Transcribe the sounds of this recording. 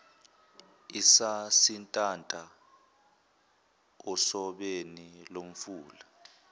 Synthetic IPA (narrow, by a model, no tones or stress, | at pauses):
isasintʼantʼa | ɔsɔɓenilom̩fuːla